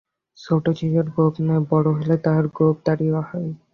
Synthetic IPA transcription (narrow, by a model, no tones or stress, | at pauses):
sowʈat͡ɕid͡ʑoɾɡobnɔebɔɽoɦolet̪aɾɡob̚d̪aɽioahɔj